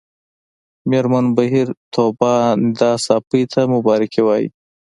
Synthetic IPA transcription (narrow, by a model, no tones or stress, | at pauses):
meɾmanbaɦiɾt̪ʰobɑd̪ɑsɑpəjt̪ʰamʊbɑɾɪkiwɑjḭ